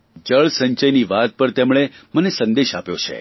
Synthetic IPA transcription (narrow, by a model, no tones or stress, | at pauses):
d͡ʒəɭsəɲt͡ʃəjniʋat̪̚pəɾt̪emɭ̃emənesə̃nd̪eʃapjot͡ʃʰḛ